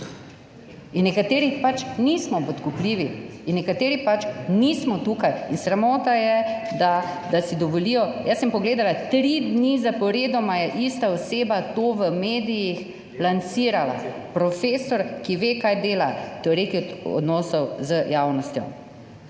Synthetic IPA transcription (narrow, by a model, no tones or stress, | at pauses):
inːɛkat̪eːɾipat͡ʃnismɔpɔt̪kupliːʋiinːɛkat̪eːɾipat͡ʃnismɔt̪uːkajinsɾamɔːt̪ajɛd̪ad̪asid̪ɔʋɔliːjɔjasəmpɔɡleːd̪alat̪ɾid̪nizapɔɾeːd̪ɔmajɛʔist̪aɔseːbat̪oːʋəmeːd̪ijix | lant̪siːɾala̰pɾɔfeːsɔɾkiʋekajd̪eːlat̪ɛɔɾekiɔ̰d̪nɔːsɔwzəjaːwnɔst̪jɔ̰